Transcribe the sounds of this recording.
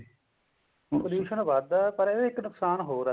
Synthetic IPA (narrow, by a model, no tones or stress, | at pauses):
upəljuːʃənʋad̪pəɾeeɪknʊksaːnɦoːɾa